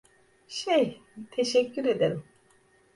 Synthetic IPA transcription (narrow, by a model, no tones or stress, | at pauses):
ʃejt̪ʰeʃɛcːyɾe̞d̪eɾim